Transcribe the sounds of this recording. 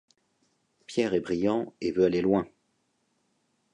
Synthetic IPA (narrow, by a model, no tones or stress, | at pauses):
pjɛʁɛbʁijɑ̃evøalelwɛ̃